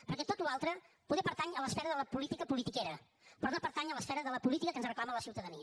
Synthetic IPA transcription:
pəɾkɛt̪ot̪ualˠt̪ɾə | puðɛpəɾt̪aɲələsfɛɾəðələpulit̪ikəpulit̪ikeɾə | pɾɔnopəɾt̪aɲələsfɛɾəðələpulit̪ikəkənzrəklamələsiuwt̪əðəni

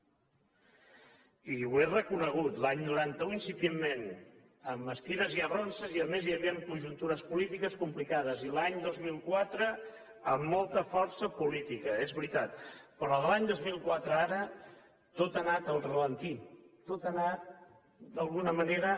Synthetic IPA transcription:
iwerəkunəɣ̞ut̪laɲnuɾant̪əuinsipjemːen | əməst̪iɾəziəβronsəziəmezjəβiəmkunʲʒunt̪uɾəspulit̪ikəskumplikaðəzilaɲd̪ozmilˠkwat̪ɾə | əmːolˠt̪əfɔɾsəpulit̪ikəezβɾit̪at̪pəɾɔðəlaɲd̪ozmilˠkwat̪ɾəaɾə | t̪ot̪ənat̪əlˠrələnt̪it̪ot̪ənat̪̚ | d̪əlˠɣunəməneɾə

